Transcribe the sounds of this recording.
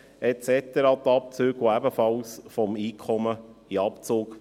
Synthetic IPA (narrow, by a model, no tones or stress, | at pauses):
ɛt͡sɛt̪əɾɑːt̪ɑp̚t͡søːɡoæbəfɑlsfɔmiːkʰɔməiɑpt͡soːk